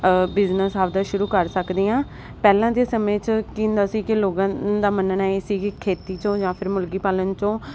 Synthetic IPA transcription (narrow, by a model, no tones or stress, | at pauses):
bɪznəsaːʋd̪aːʃʊɾuːkəɾsəkd̪iːãː | pɛːlãːd̪eːsəmẽːt͡ʃkĩːnd̪aːsiːkɪloːɡãːd̪aːmənənɛːesiːkɪkʰeːt̪iːt͡ʃõːd͡ʒãːpʰɪɾmʊlɡiːpaːlənt͡ʃõː